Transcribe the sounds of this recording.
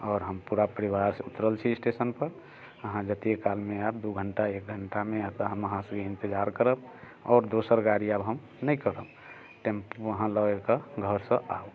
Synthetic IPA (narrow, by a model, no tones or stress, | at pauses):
ɔːɾɦəmpuɾapəɾiʋaɾsut̪ɾəlt͡ʃʰisʈesənpəɾ | əɦãd͡ʒət̪iekalmeab̚d̪uɡʱəɳʈaek̚ɡʱəɳʈameat̪əɦəməɦãsəɡeɪ̃nt̪ed͡ʒaɾkəɾəb | ɔ̰ːɾd̪osəɾɡaɾiabɦəm | nəikəɾəb | ʈempoəɦãləɡekəɡʱəɾsə̃ʔa̰o